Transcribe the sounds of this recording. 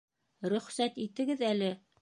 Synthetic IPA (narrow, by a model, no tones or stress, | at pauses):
ɾɵ̆χsæt̪it̪ɘ̆ɡɘðælɘ